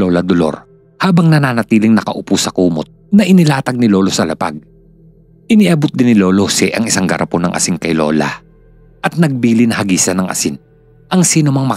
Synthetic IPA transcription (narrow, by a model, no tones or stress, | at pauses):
oːlɐd̪olo̞̰ɾ | haːbɐŋnɐnaːnɐt̪iːlɪŋnɐkɐʔʊpusɐkuːmot̪̚nɐʔɪnɪlaːt̪ɐɡ̚nɪlo̞ːlo̞sɐlɐpa̰ɡ̚ | ʔɪniʔɐbot̪̚d̪ɪnɪlo̞ːlosɛʔɐŋɪsaŋɡɐɾʔɐponɐŋʔɐ̰sɪŋkɐjlo̞̰ːlɐ̰ | ʔɐt̪̚nɐɡ̚biːlɪnɐhɐɡiːsɐnɐŋʔɐ̰sɪn | ʔɐŋsiːnomɐŋmɐ